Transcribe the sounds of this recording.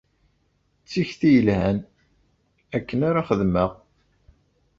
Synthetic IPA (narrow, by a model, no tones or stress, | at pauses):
t͡sːiçθijəlhæn | ækːənaɾaχəðməʁ